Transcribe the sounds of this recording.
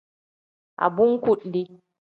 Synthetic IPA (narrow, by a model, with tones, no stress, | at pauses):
ʔa̰˨bu˦ŋ˦ku˦˨ʔndi˦